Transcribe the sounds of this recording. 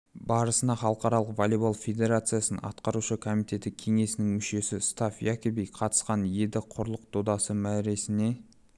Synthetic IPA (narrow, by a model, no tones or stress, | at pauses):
bɑɾəsənɑχɑlˠəqɑɾɑlˠəqvolʲibalˠfʲe̞d̪e̞ɾat̪sɨjasənɑ̰t̪qɑɾuʃəkʰomijt̪ʰe̞t̪ɪkʲʰe̞ŋe̞sɪnɪŋmʏʃe̞sɪst̪ɑfjækʲebijqʰɑt̪ə̥sqɑnje̞d̪ɪqʰʊɾlˠəq̚d̪ʰod̪ɑsəmæɾe̞sɪne̞